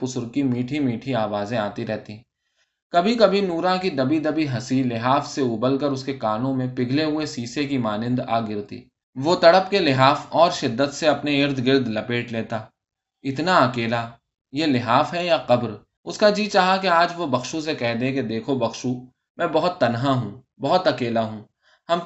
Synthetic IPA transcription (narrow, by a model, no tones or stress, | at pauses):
pʊsʊɾkimiːʈʰimiːʈʰiaːʋaːzẽaːt̪iɾɛɦt̪i | kɐbʱikɐbʱinuːɾãkid̪ɐbid̪ɐbiɦɐsilɪɦaːfseuːbəlkəɾʊskekaːnõmẽpɪɡʱleɦʊesiːsek̬imaːnɪ̃nd̪a̰ːɡɪɾt̪ḭː | ʋot̪ɐɽəpkelɪɦaːfɔːɾʃɪd̪ːət̪seɐpneɪɾd̪ɡɪɾd̪lɐpeːʈleːt̪aː | ɪt̪naɐkeːla | jelɪɦaːfɦɛjaqɐbɾ | ʊskad͡ʒiːt͡ʃaːɦakeaːd͡ʒʋobɐxʃus̬ekɛɦd̪ẽked̪eːkʰobɐxʃu | mɛ̃ːbɐɦʊt̪ːɐnɦaɦũː | bɐɦʊt̪ɐkeːlaɦũː | hɐm